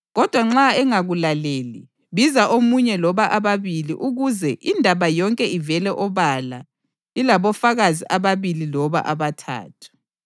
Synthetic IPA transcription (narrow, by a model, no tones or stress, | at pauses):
ɣɔd̥ʱwaŋ͡ǁaɛŋaɣulaleːli | βizaʔomuɲɛlɔβaʔaβaβilḭʔuɣuzɛʔindʱaβajɔŋkʼɛivɛlɛʔɔβala̰ | ilaβɔfaɣaziʔaβaβililɔβa̰ʔaβatʰa̰ːtʰu̥